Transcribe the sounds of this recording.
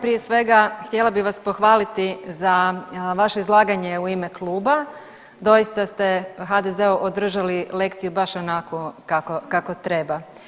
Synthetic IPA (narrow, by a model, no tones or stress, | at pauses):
pɾije̞sʋe̞ɡaxt̪je̞labiʋaspo̞xʋaːlit̪izaʋaʃeizlˠaːɡaɲe̞uime̞klˠuːba | d̪o̞jist̪ast̪e̞xad̪ezeuʔod̪r̩ʒalile̞kt̪ijubaʃonakokakokakot̪ɾe̞ba